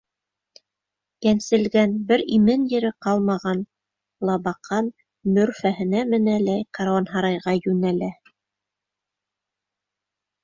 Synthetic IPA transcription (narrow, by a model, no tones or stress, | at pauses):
jænsɘ̆lɡænbɘɾimɘnjɘ̆ɾɘqɑlˠmɑʁɑn | lˠɑβɑqɑn | mɵ̆ɾfæhɘ̆næmɘ̆nælæjqɑɾwɑnɦɑɾɑjʁɑjʉnælæ